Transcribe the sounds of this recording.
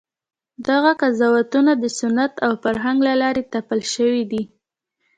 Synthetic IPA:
d̪aɣakazɑwat̪unad̪əsʊnat̪awfaɾɦaŋɡlalɑɾet̪apəlʃəwid̪i

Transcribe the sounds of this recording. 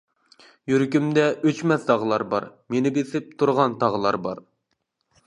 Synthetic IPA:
jyɾkʲymd̪ɛʔøt͡ʃmɛsd̪ɑʁəlˠɑɾbɑ̰ɾmenɪbesɪp̚t̪ʰuɾʁɑnt̪ʰɑʁlˠɑ̰ɾbɑɾ

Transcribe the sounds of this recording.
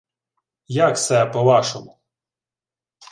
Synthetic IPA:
jaksɛpɔʋɑʃɔmˠʊ

